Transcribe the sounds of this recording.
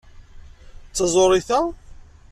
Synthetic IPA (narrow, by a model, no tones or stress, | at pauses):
t͡sːɑzˤoɾˤiθæ